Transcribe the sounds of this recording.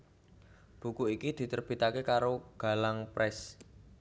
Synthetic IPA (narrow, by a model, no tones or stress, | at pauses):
b̥ṳkuikid̪̥i̤t̪ərb̥i̤t̪akekaɾoɡ̥a̤laŋpɾʔɛs